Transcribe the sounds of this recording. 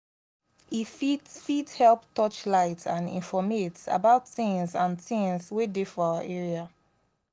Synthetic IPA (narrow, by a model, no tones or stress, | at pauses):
ifitfithɛlptɔt͡ʃlaɪtʰãnḭ̃nfɔmeta̰baʊtθɪ̃ŋzãnθĩŋzwedefɔawaʔɛɹia